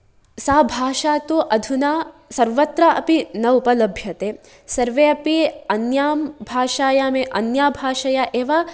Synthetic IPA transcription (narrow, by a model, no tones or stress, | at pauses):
saːbʱaːʃaːt̪uʔɐd̪ʱunaːsɐɾʋɐt̪ɾɐʔɐpinɐupɐlɐbʱjɐt̪eː | sɐɾʋeɐpiɐnjaːmbʱaːʃaːjaːmeʔɐnjaːbʱaːʃɐjaʔeːʋa